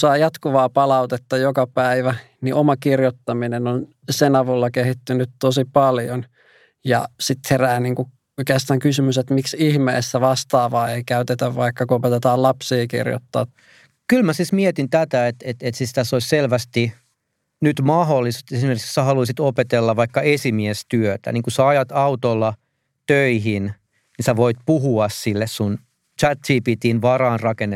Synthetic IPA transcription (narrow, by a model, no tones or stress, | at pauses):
sɑijɑt̪kuʋɑːpɑlɑut̪et̪ːɑjokɑpæiʋæ | niʔomɑkirjot̪ːɑminenon | senɑʋulːɑkehit̪ːynyt̪t̪osipɑljon | jɑ̰sit̪heræːniːŋku | okeːst̪ɑːŋkysymyset̪miksihmḛːsːæʋɑst̪ɑːʋɑːeikæyt̪et̪æʋʋɑikːɑkuopet̪et̪ɑːlɑpsiːkḭrjo̰t̪ːɑ̰ː | kylmæsiːsmiet̪int̪æt̪æet̪et̪et̪sist̪æsoisʲselʋæst̪i | nyt̪mɑɦolːist̪esimerki̥kssæhɑluisit̪opet̪elːɑʋʋɑikːɑesimiest̪yøt̪æ̰niːŋkusɑɑjɑt̪ɑut̪olːɑ | t̪øiɦin | nisæʋoit̪̚puhuɑssilːessun | t͡ʃæt̪siːpit̪inʋɑrɑːnrɑkenːe